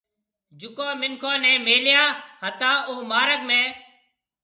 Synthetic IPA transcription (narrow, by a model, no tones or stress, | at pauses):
d͡ʒʊkoːmɪŋkʰõːnɛ̃ːmeːljaːɦət̪ãːʊɦmaːɾəkmẽː